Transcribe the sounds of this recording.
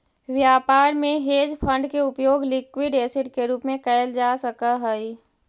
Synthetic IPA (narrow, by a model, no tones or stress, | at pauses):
ʋjaːpaːɾmẽɦeːd͡ʒpʰə̃ɳɖkeʊpjoːɡlɪkwiɖeːsɪʈkeɾuːpmẽkɛɪld͡ʒaːsəkaɦɛi